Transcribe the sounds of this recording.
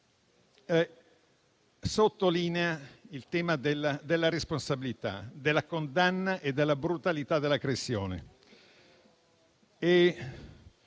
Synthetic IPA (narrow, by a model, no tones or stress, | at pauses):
sot̪ːoliːneailt̪ɛːmad̪elːad̪elːaɾesponsabilit̪a̰d̪elːakond̪anːaʔed̪ːelːabɾut̪alit̪ad̪elːakɾesjoːnḛ | e